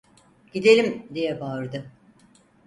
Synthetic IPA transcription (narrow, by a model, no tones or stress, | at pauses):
ɟ̥id̪e̞lʲimd̪ijɛbaɾd̪ɯ